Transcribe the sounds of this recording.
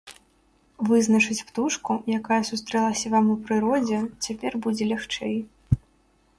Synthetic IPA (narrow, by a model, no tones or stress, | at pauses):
vɨznɐt͡ʂɨt͡sʲpt̪uʂkujakajɐsust̪ɾɛlˠɐsʲɐvamupɾɨɾɔd͡zʲɛt͡sʲapʲɛrbud͡zʲɛlʲaxt͡ʂɛj